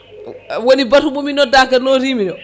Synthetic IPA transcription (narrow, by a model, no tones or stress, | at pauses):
wonibatumuminɔdakanɔɾiminɔ